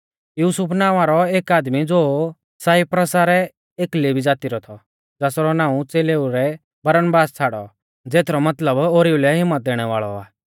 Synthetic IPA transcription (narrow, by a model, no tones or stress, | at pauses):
juːsʊpʰnãːʊ̃ʋaɾɔeːkaːd̪mid͡zoː | saːipɾɐsaɾɛ | eːklebid͡zaːt̪iɾɔt̪ʰɔ | d͡zɛːsɾɔnãːũt͡seːleːuɾɛ | bɐɾənbaːst͡sʰaːɽɔ̰ | d͡zeːt̪ʰɾɔmɐt̪ləboɾiulɛɦɪmːət̪̚d̪ɛːɽ̃ɛʋa̰ːɭɔ̰aː